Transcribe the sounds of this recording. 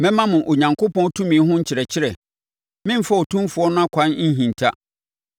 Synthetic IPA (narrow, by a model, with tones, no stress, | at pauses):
mɛ̃˦mã˦mʊ̃˨ʔo˨ɲã˨ŋkʰo˦pɔ̃˦n˦tʰũ˦mĩ˨˦ɦʊ̃˦ɲ̩˦t͡ɕʰɪ˨ɾɛ˨t͡ɕʰɪ˦ɾɛ˨ | mɪ̃˦m̩˦fa˦o˨tʰũ˦m˦fʊ˨ɔ˦nʊ̃˦a˦kʷʰã˦n˦ɲ̩˦ɦĩ˨n˨tʰa˦